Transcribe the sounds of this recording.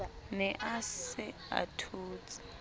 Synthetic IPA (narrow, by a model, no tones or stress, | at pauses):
nɛʔasɪa̰tʰuːt͡sʼi̥